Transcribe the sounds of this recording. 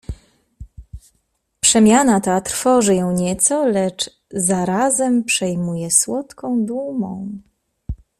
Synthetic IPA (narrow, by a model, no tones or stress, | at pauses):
pʂɛmʲjanat̪at̪ɾ̥fɔʐɘjɔ̃w̃ɲɛt̪sɔlɛt͡ʂ | zaɾazɛmpʂɛjmujɛswɔt̪kɔ̃w̃d̪umɔ̰̃w̃